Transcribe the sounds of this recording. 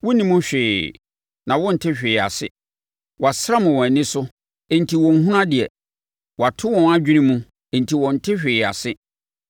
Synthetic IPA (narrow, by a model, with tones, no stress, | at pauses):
wɔ˦nĩ˦mũ˦ɕᶣɪː˨ | nã˨wɔ̃˦n̩˨tʰɪ˦ɕᶣɪː˨a̰˨sɪ̰˦ | wɔ˨a˨sa˦mʊ̃˨wɔ̃˨nɪ̃˦sʊ˦ | e˨n̩˨tʰi˨wɔ̃˨n̩˦hũ˦ɾã˦dɪ˨ɛ˨ | wɔ˨a˨tʰʊ˦wɔ̃˨na˦d͡ʑᶣi˦nĩ˦mũ˦ | ẽ˨n̩˨tʰi˨wɔ̃˨n̩˨tʰɪ˦ɕᶣɪː˨a̰˨sɪ˦